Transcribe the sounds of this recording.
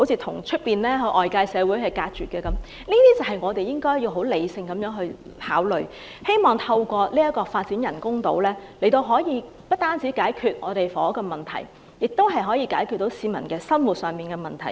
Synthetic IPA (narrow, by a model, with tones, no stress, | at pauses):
ho˧˥wt͡sʰiː˧t̪ʰʊ˨˩ŋt͡ʃʰɵ˥t̚piː˨nlɛː˥ɦɵ˧ʔɔː˨˩jkaː˧jsɛː˨˧wuː˨˥jhɐ˨jkaː˧t̚t͡ʃyː˨˩kɛː˧kɐ˨˦m | niː˥t̪iː˥t͡sɐ˨wɦɐ˨˩jŋɔː˨˧t̪e˨jɪ˥ŋkɔː˥jiː˧wɦo˨˥wle˨˧jsɪ˧ŋkɐ˨˧mjœː˨˥ŋɦɵ˧ɥ | haː˨˥wlɵ̰˨˩ɥ | he˥jmɔː˨˩ŋt̪ʰɐ˧wkʷɔː˧liː˥jɐ˥t̚kɔː˧faː˧t̚t͡si˨˥njɐ˨˩nkʊ˥ŋt̪o̰˨˥wlɛː˥le˨˩jt̪o˧wɦɔː˨˥jiː˨˧ | pɐ˥t̚t̪aː˥nt͡siː˨˥kaː˨˥jkʰyː˨t̚ŋɔː˨˧t̪e˨jfɔː˨˦˥kɔː˧mɐ˨˩nt̪ʰɐ̰˨˩j | jɪ˨k̚t̪o˥wɦɐ˨jɦɔː˨˥jiː˧kaː˨˥jkʰy˨t̪ːo˨˥wsiː˨˧mɐ˨˩nkɛː˧sɐ˥nwu˨t̚sœː˨ŋpiː˨nkɛː˧mɐ˨nt̪ʰɐ˨˩j